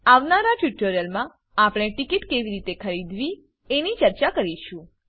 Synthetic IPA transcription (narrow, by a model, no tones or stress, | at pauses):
aʋnaɾaʈjuʈoɾijəlmã | apɽ̃eʈikiʈkeʋiɾit̪ekʰəɾid̪ʋi | enit͡ʃəɾt͡ʃakəɾiʃũ